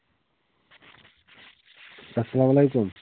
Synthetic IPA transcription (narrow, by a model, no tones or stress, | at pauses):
ɐsːɐlaːmɐlejkum